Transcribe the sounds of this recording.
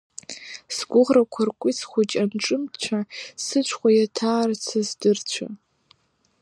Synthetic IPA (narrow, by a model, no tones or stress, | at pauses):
sɡʷʊʁrakʷʰarkʷʼit͡sʰχʷʊt͡ʃʼanʈ͡ʂʼɨmt͡ʃʷʰasɨt͡ʃʷʰχʷajatʰaːrt͡sʰazdɨrt͡ɕʷʰa̰